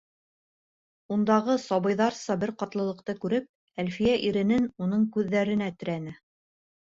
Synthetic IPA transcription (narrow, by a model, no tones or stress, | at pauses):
und̪ɑʁɤsɑβɤ̆jðɑɾsɑbɘɾqɑt̪lˠɤ̆lˠɤ̆qt̪ɤkʉɾɘp̚ | ælfijæʔiɾɘ̆nɘnunɤɴkʉðːæɾɘ̆næt̪ɘ̆ɾænɘ